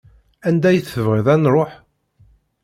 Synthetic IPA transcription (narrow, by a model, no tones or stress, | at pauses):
ænd̪æjθəvʁɪðˤænɾˤoħ